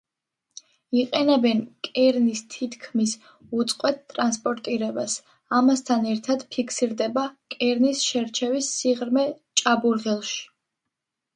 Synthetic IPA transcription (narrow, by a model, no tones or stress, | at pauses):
iqʼɛnɛbɛnkʼɛɾnist̪ʰit̪ʰkʰmis | ut̪sʼqʼwɛt̪̚t̪ʼɾanspʼɔɾt̪ʼiɾɛbas | amast̪ʰanɛɾt̪ʰad̪pʰikʰsiɾd̪ɛbakʼɛɾnisʃɛɾt͡ʃʰɛvisːiʁɾmɛ | t͡ʃʼabuɾʁɛlˠʃi̥